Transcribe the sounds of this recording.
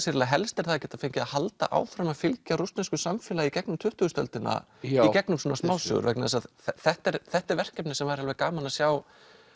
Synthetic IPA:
sɪɾɪlaɦɛlst̪ɪɾ̥θaðːcɛːt̪afejɲcɪahalt̪a̰ʔa̰ːwfɾamaðfɪlcaɾust̪nanskʏsamfɪlaicɛknʏmt̪ʰʏht̪ʏɣʏst̪œ̰lt̪ɪna̰ | icɛknʏmsɔːnasmaːwsʏ̰ɣʏ̰ɾvɛjknaðḛsað | θɛht̪ɛɾθɛht̪ɛɾvɛr̥cɛpnɪsɛmvaɾ̥halvɛkaːmanasjaːw

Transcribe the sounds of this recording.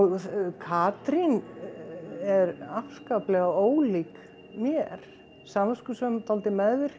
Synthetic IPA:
ɣkʰaːt̪ɾin | ɛɾafskaplɛɣaoːwlik | mjɛɾ̥ | saːmaskʏsœmt̪ʰalt̪ɪmɛððɪɾ̥

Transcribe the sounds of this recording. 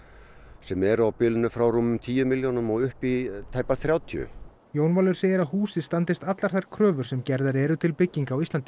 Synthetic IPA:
sɛmɛɾawpɪlnʏfɾawɾumːʏmt̪ʰiːjʏmiljownʏmɔɣʏhpit̪ʰaːjpaθɾjaːwt̪ʰjʏ̰ | joːwnvaːlʏɾ̥seːjɪɾaðhuːsɪðst̪ant̪ɪst̪at̪laɾ̥θajɾ̥kʰɾœːvʏɾ̥sɛmcɛɾðaɾɛːɾʏt̪ʰɪlpɪcːiŋkaːwist̪ant̪ɪ

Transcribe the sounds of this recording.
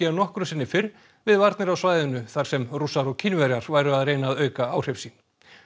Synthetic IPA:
ɛnɔhkɾʏsɪnːɪfɪɾ | vɪðvaɾt̪nɪɾawsvaːjðʏnʏθaɾ̥sɛmrusaɾɔcʰɪnvɛɾjaɾ̥vaːjɾʏaðreːjnaːðœːɥkaawr̥efsiːn

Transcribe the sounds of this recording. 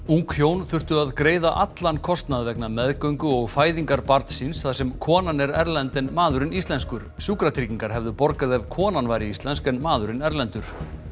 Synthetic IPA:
uŋkfjownθʏr̥t̪ʏaðkɾeːjðaʔat̪lankʰɔst̪naðvɛknamɛðkœɥŋkʏɔɣfaːjðiŋkaɾpaɾt̪sinsθasɛmkʰɔːnanɛɾɛɾlɛnt̪ɪnmaːðʏɾɪnist̪lɛnskʏɾ̥suːkɾat̪ʰɾiciŋkaɾ̥ɦɛvðʏpɔɾkaðɛvkʰɔːnanvaːjɾɪist̪lɛnskɛnmaːðʏɾɪnɛɾlɛnt̪ʏɾ̥

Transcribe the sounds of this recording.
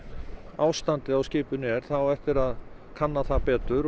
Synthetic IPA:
aːwst̪ant̪ɪawscɪːpʏnɛɾ̥θawɛft̪ɪɾað | kʰanːaθapɛːt̪ʏɾ

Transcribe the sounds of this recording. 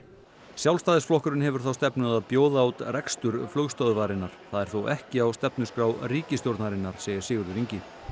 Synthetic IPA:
sjawlst̪aːðɪsflɔhkʏɾɪnhɛvʏɾ̥θawst̪ɛpnʏðaðpjoːwðaawt̪rɛkst̪ʏɾflœɣst̪œðvaːɾɪnːaɾ̥θaðɛɾ̥θowʔɛhcɪawst̪ɛpnʏskɾaːwriːcɪst̪jowɾt̪naɾɪnːaɾ̥seːjɪɾ̥sɪːɣʏɾðʏɾiɲcɪ

